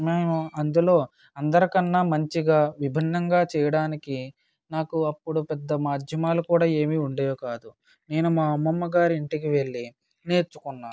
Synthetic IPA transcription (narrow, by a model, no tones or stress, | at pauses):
maːɐɐnd̪ulo̞ː | ɐnd̪ɐɾikɐnːaːmɐɲt͡ʃiɡaːʋibʱinːɐŋɡaːt͡ʃɛːjɐɽaːniki | naːkuɐpːuɽupɛd̪ːɐmaːd̪ʱjɐmaːlukuːɽaːe̞ːmiuɳɖeːjoːkaːd̪u | ne̞ːnumaːɐmːɐmːɐɡaːɾiiɳʈikiʋe̞ɭːi | ne̞ːɾt͡ʃu̥kunːaː